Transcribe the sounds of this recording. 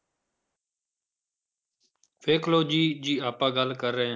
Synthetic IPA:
fʰeːkloːd͡ʒiːd͡ʒiːaːpãːɡəlkəɾːəɦẽ

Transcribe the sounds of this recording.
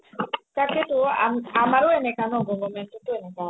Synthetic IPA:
kaketua̰mamaɾuenɛkanɔɡɔŋɡɔmɛntituenɛka

